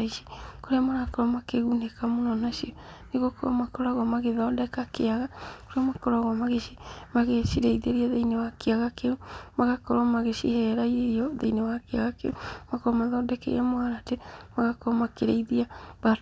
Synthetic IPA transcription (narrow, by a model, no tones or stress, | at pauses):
iʃi̥koɾeamaɾakɔɾɔmakeɣunekamonɔnaʃiɔneɣokoɾɔmakoɾaɣɔmaɣeðɔdɛkakeaɣakoɾeamakoɾaɣɔmaɣeʃimaɣeʃiɾeiðeɾiaðeinewakeaɣakeumaɣakɔɾɔmaɣeʃihɛɾaieɾiɔðeinewakeaɣakḛumakoɾɔmaðɔdɛkḛɛmoaɾatemaɣakoɾɔmakeɾeiðiaba